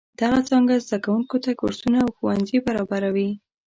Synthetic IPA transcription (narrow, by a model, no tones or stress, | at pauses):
d̪̥aɣat͡sɑŋɡazd̪akawuŋkot̪akoɾsunaːwxowanzibaɾɑbaɾawi